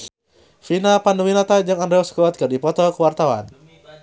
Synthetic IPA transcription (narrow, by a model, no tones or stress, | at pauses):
finapanuwinat̪ad͡ʒaŋandɾɛɔskɔt̪̚kɨrdipɔt̪ɔkəwart̪awa̰n